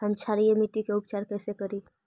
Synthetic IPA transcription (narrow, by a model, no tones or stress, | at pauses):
həmt͡ʃʰaɾiemiʈikeupt͡ʃaɾkəɪsekəɾi